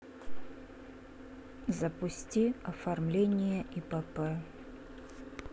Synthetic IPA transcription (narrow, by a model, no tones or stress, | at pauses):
zɐpʊsʲtʲiɐfarmlʲenʲɪjɐʔipɛpɛ